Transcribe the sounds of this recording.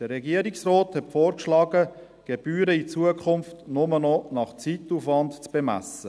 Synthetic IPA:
d̥əɾɛɡiəɾiksrɔːthɛtfoːɾkʃlɑːɡ̥ə | ɡ̥eb̥yːɾəit͡suəkʰʊmftnʊmənɔnɑχt͡situfʋɑntt͡sb̥emæ̰sə

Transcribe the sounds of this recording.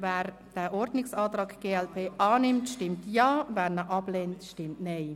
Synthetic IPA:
vɛːɾ | d̥ɛʔɔɾdnɪksɑːtɾaːkɡ̥eːɛlpʰeːʔɑːnɪmtʃtɪmtjɑːvɛːɾnəʔɑbleːntʃtɪmtnɛɪ

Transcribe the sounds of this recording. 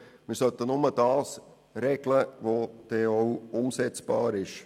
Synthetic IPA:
mɪːɾsœt̪ənʊməd̥ɑːs | ɾɛɡləʋod̥ɛːoʊʊmsɛt͡sb̥ɑːɾɪʃ

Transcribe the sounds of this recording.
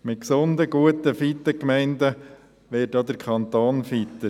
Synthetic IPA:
mɪt̚ksʊnd̪əɡuətəfit̪ːəkmɛɪndə | ʋɪːtdɑd̪əɾkʰχɑnt̪oːnfit̪ə

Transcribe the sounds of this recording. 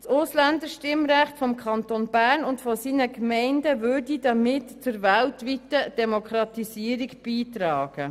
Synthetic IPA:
sʊslænd̪əʃtɪmɾæχtfɔmkʰɑntonb̥æːɾnʊntfɔsiːnəkmɛɪndəvʏɾdidɑmɪtt͡sʊɾvæltvʋitəd̥ɛmokʰɾɑtisiəɾikb̥iːtrɑːɡ̥ə

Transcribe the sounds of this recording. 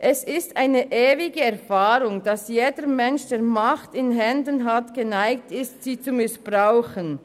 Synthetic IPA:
ʔɛsɪstʔaɪnəʔeːvɪɡəɛʁfaːɾʊŋd̥ɑsjeːdəɾmɛnʃd̥eːɐmaχtɪnɦɛndənɦatɡ̥ənaɪk̚tɪstsiːt͡sumɪsb̥ʁaʊxən

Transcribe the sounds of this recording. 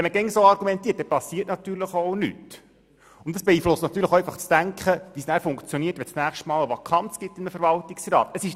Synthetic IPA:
ɛnmːəɡɛŋsoːɑɾɡumɛnt̪iət̚dɛpɑsiːətnɑt̪yːɾləχoʊny̰t | ʊntd̥ɑsb̥ɛiːflʊstnɑt̪ːyːɾləχoɛfɑχt͡sd̥æŋkχəʋisnæːɾfʊŋkt͡sjoniətʋɛt͡snæːχʃtmɑːləʋɑkʰɑnt͡sɡ̥ɪtːɪməfəɾvɑltɪksrɑ̰ːt̪əsɪʃ

